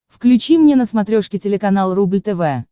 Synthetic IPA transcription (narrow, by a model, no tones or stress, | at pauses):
fklʲʉt͡ɕimnʲenəsmɐt̪ɾʲoʂkʲɪtʲɪlʲɪkɐnalˠrublʲt̪ɛvɛ